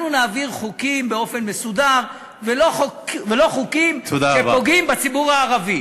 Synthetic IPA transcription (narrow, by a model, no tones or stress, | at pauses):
nunaːviʁχukimbe̞o̞fe̞nmesudaʁ | velokvelo̞χukimtod̪aʃebpo̞ɡimbat͡sibuʁaːʁavi